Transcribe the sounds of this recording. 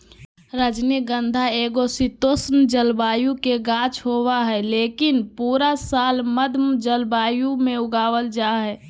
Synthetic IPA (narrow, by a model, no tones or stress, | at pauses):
ɾad͡ʒniɡə̃nd̪ʱaeːɡosit̪oːsnd͡ʒəlbaːjukeɡãːt͡ʃʰɦoːwaɦɛleːkɪnpuːɾasaːlməd̪ʱmd͡ʒəlbaːjumẽʊɡaːʋəld͡ʒaːɦɛː